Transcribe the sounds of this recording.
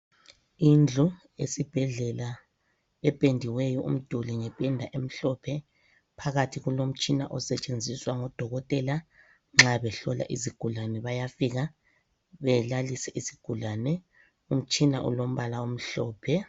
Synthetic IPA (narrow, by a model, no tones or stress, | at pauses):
ind͡ɮʱu | esib̥ʱɛɮɛla | ɛpʼendʱiwɛjɔʔṵm̩d̥ʱuliŋɛpʼɛndʱaʔem̩ɬɔpʰɛ | pʰaɣatʰiɣulom̩t͡ʃʼinaʔɔsɛt͡ʃʼend͡zʱiswaŋɔd̥ʱɔɣɔtʼɛla | ŋ͡ǁaβɛɬɔla̰ʔiziɡ̥ʱulanɛβajafiɣa | βɛlalisɛʔisi̥ɡ̥ʱulanɛ | um̩t͡ʃʼina̰ʔṵlom̩βalaom̩ɬɔːpʰɛ